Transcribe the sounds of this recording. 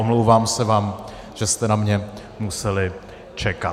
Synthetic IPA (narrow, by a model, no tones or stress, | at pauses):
omlowvaːmsɛvaːm | ʒ̥ɛst̪ɛnamɲɛ | musɛlɪ | t͡ʃɛka